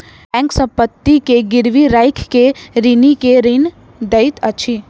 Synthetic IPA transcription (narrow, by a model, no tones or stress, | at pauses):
ɛ̃ːŋksə̃mpət̪ːikeɡɪɾʋiɾaːɪkʰkeɾinikeɾin | d̪əɪt̪ət͡ʃʰi